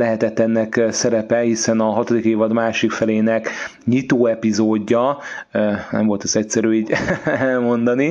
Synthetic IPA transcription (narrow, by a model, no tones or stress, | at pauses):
lɛɦɛt̪ɛt̪ːɛnːɛksɛɾɛpɛhisɛnɒɦɒt̪od̪ikeːvɒd̪maːʃikfɛleːnɛkɲit̪oːɛpizoːɟːɒønɛ̰mvo̞lt̪ɛzɛc̚ʲsɛɾyːiːɟɛlmo̞nd̪ɒni